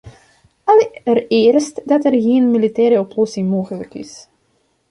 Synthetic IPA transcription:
ɑlərɪːrstdɑtɛrɣeːnmilitɛːɾəɔplɔsɪŋmoːɣələkɪ̰s

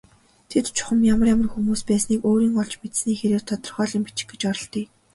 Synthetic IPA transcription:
t̪ʰet̪t͡ɕʰʊ̥χə̆mjamə̆rjamə̆rxumuːspæːsniːkoːɾiːŋɔɮt͡ɕmet̪sniːxeɾeːrt̪ʰɔt̪ɞ̆rχœːɮĭmpit͡ɕɪ̥̆ɡe̥t͡ɕɔɾɞ̆ɬt̪iː

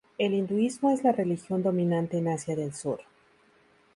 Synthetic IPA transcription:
e̞lind̪uizmo̞e̞zlare̞lixjo̞nd̪o̞mĩnãnt̪e̞ːnasjaðe̞lsuɾ

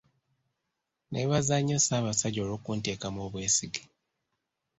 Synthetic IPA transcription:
nʔeβazaɲːosaːβasaɟo̞ːɾoːkunte̞ːkamoːβwe̞ːsiɡi̥

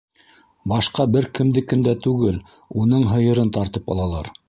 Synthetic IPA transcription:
bɑʃqɑbɘɾkɘ̆md̪ɘkɘ̆md̪æt̪ʉɡɘl | unɤɴɦɤ̆jɤ̆ɾɤnt̪ɑɾt̪ɤpɑ̰lˠɑlˠɑ̰ɾ

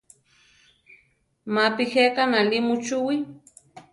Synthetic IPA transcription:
mapɪheqanalimʊt͡ʃʊwi

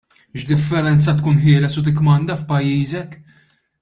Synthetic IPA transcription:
ʃd̪ɪfːɛɾɛnt͡sɐt̪kuːnħɪːlɛsut̪̬ɪkːmɐnd̪ɐfpɐjːiːzɛk

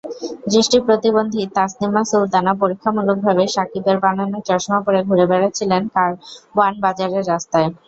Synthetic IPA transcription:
d̪ɾiʃʈipɾot̪ibond̪ʱit̪asnimasult̪anap̬oɾikʰːamuluk̚bʱabeʃakit̪eɾbananot͡ɕɔɾʃɔmapoɾeɡʱuɾebɛɽat͡ɕʰilenkaɾanbad͡ʑaɾeɾːast̪ae

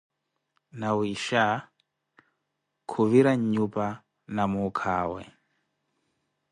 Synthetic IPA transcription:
nawiʃa | kʰuviɾaɲɲupa | namukʰaːwɛ̰

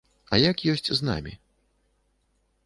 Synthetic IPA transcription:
ɐjakjɔsʲt͡sʲzna̰mʲḭ

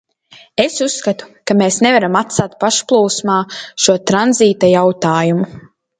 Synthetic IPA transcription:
esusːkat̪u̥kameːsnevaɾamat̪saːt̪̚paʃplˠuːsmaːʃuɔt̪ɾanziːt̪ajawt̪aːjumu

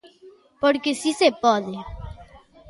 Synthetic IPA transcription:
poɾkesisepɔðe

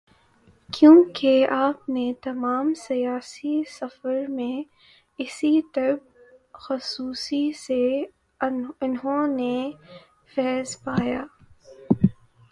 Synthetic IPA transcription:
kjũːkeaːp̚net̪ɐmaːmsijaːsisɐfəɾmẽ | ɪsit̪ɐɾb̚ | xʊsuːsise | ɪnɦõne | fɛːzpaːjaː

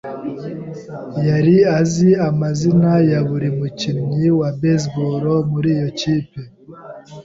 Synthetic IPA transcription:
jaɾiaziamazinajaβuɾimucinɲiwabes̬boɾomuɾiːjociːpe

